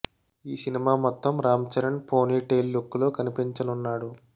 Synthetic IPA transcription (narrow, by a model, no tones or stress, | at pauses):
iːsinimaːmɔt̪ːɐmɾaːmt͡ʃɐɾɐɳpʰo̞ːniːʈeːlːukːulo̞ːkɐnipiɲt͡ʃɐnunːaːɽu